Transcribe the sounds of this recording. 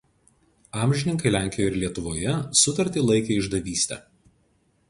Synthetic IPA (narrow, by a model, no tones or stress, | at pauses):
ɑːmʲʒʲɪnʲɪŋkɐɪlʲæˑŋʲkʲɪjoɪɾlʲiɛt̪ʊʋoːjɛsʊt̪ɐɾʲt̪ʲiːˑlˠɐɪkʲeɪʒd̪ɐʋʲiːsʲt̪ʲɛ̰ː